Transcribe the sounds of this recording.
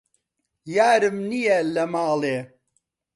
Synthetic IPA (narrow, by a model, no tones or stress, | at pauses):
jaːɾɨmnijɛlɐmaːleː